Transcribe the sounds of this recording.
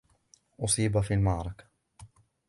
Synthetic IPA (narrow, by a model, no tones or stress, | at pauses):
ʔʊsˤiːbafiːlmaʕɾˤɑkḁ